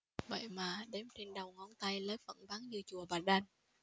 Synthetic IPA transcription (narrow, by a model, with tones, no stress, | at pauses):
və̰˧˨jmaː˨˩ɗe˨˦mt͡ɕe˧nɗə˨˩wŋɔ˨˧˦nt̪a˧jləː˨˦jvə̰˧˩nvaː˨˦ŋzɨ˧t͡ɕu˨˩əvaː˨˩ɗa˧n